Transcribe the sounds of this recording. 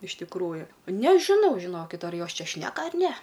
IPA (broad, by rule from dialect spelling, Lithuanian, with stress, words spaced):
ɪʃ tʲɪkˈruːjʊ nʲɛʒʲɪˈnɐʊ ʒʲɪˈnoːkʲɪt ɐr ˈjoːs ˈt͡ʃʲɛ ˈʃʲnʲæːkɐ ɐr nʲɛ